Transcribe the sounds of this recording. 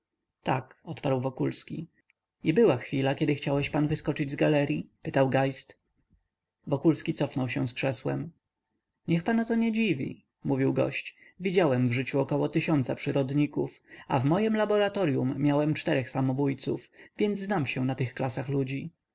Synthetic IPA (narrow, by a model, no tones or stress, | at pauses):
t̪a̰kɔt̪paɾwvɔkulskʲḭ | ibɘwaxfʲilakʲɛd̪ɘxt͡ɕawɛɕpanvɘskɔt͡ʂɘd͡ʑzɡalɛɾʲjipɘt̪awɡajst̪ | vɔkulskʲit̪sɔfnɔwɕɛw̃skʂɛswɛ̰m | ɲɛxpanat̪ɔɲɛd͡ʑivʲḭ | muvʲiwɡɔ̰ɕt͡ɕ | vʲid͡ʑawɛmvʐɘt͡ɕuɔkɔwɔt̪ɘɕɔnt̪sapʂɘɾɔd̪ɲikufa̰vmɔjɛmlabɔɾat̪ɔɾjumːʲjawɛmt͡ʂt̪ɛɾɛxsamɔbujt̪sufvʲjɛnd̪zznamɕɛnat̪ɘxklasaxlud͡ʑi